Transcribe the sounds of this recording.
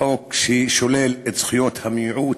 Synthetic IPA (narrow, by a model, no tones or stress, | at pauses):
okʃʃolelet̪z̥χujot̪hamʕu